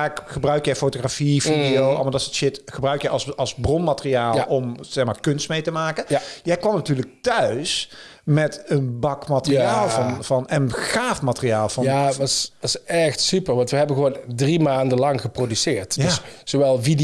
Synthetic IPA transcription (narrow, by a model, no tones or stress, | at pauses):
akχəbrœɥkjɛjfowtoχrafividiowɑ̰lˠmadɑtɪsətʃɪtχəbrœɥkjɛjʔɑsɑlˠzbrɔnmatərijaːlʔɔmz̥ɛxmaːɹkɵnstmejtəmaːkənjɛjkʋɑmnatyːɹlək̚tœɥs | mɛtənbɑkmatəriaːlˠvɑnvɑnɛnχaːfmatəriaːlˠvɑjaʋɑsʋɑsɛxtsypəɹʋɑntʋəɦɛbəɣəʋoːndrimaːndəlɑŋɣəprodysɪːɹtdjaszoʋɛlˠvid